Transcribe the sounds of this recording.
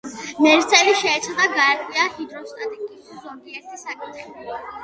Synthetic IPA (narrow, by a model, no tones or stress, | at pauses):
mɛɾt̪sʰɛliʃɛːt̪sʰad̪aɡaɛɾt̪ʰʼwiaχid̪ɾɔst̪ʼat̪ʼɛkʼiszɔnd̪iɛɾt̪ʰisakʼit̪χila